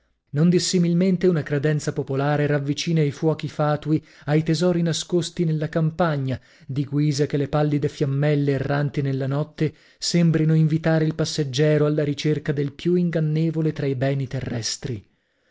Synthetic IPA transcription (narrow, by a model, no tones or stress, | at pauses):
nond̪isːimilment̪eunakɾed̪ɛnt̪sapopolaːɾeɾavːit͡ʃiːnajfwɔːkifaːt̪ui | ajt̪ezɔːɾinaskost̪inelːakampaɲːa | d̪iɡwiːzakelːepalːid̪efjamːɛlːeːrːant̪inelːanɔt̪ʰːe | sembɾinoiɱvit̪aːɾeilpasːed͡ʒːɛːɾoalːaɾit͡ʃerkad̪elpjuiŋɡanːeːvolet̪ɾaibɛːnit̪erːɛst̪ɾi